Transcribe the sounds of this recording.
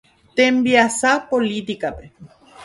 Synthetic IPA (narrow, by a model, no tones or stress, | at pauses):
t̪embiasapolit̪ikape